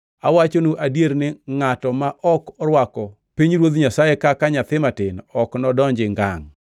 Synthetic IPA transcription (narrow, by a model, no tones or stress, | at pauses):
awat͡ʃonuʔadjeɾnɪŋatɔmaʔɔkɔɾwakɔ | piɲɾwod̪ɲasajekakaɲat̪ɪmatɪnɔknɔdɔɲd͡ʒɪŋɡa̰ŋ